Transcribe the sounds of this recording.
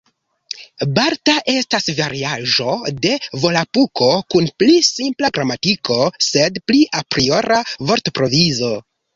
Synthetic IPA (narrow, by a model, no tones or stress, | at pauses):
baɾtaʔe̞stasvaɾiaʒo̞de̞vo̞lapuko̞kunplisimplaɡɾamatiko̞se̞dpliʔapɾio̞ɾavo̞ɾtopɾo̞vizo̞